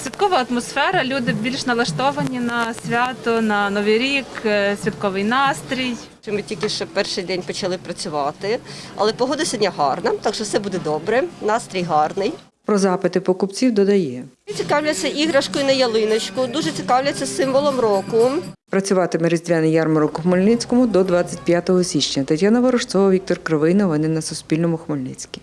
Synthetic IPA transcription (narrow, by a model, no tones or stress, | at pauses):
sʲʋʲit̪kɔʋɐɐt̪mɔsfɛɾɐlʲud̪ɪbʲilʲʃnɐlˠɐʃt̪ɔʋɐnʲinɐsʲʋʲat̪ɔnɐnɔʋijɾʲiksʲʋʲit̪kɔʋɪjnɑst̪ɾʲij | t͡ʃɪmɪtʲilʲkɪʃɛpɛrʃɪjd̪ɛnʲpɔt͡ʃɐlˠɪpɾɐt͡sʲʊʋɑt̪ɪɐ̰lˠɛpɔɦɔd̪ɪsʲɐd̪ʲnʲaɦɑrnɐt̪ɑkʃɔwsɛbud̪ɛd̪ɔbɾɛnɑst̪ɾʲijɦɑrnɪj | pɾɔzɑpɪt̪ɪpɔkʊpt͡sʲiwd̪ɔd̪ɐjɛt͡sʲikɑwlʲɐt͡sʲːɐʔiɦɾɐʃkɔjinɐjɐlˠɪnɐt͡ʃkʊd̪uʒɛt͡sʲikɑwlʲɐt͡sʲːɐsɪmʋɔlˠɔmɾɔkʊpɾɐt͡sʲʊʋɑt̪ɪmɛɾɪzʲd̪ʲʋʲanɪjɑrmɔɾʊkʊxmɔlʲnɪt͡sʲkɔmʊd̪ɔd̪ʋɑt͡sʲːɐt̚ʲpʲjat̪ɔɦɔsʲit͡ʃnɲʲɐt̪ɐtʲjanɐʋɐɾɔʃt̪t͡s̪ɔʋɐwʋʲik̚t̪ɔrkɾɪʋɪnɔʋɔnɪnɐsʊsʲpʲilʲnɔmʊxmɔlʲnɪt͡sʲkʲi̥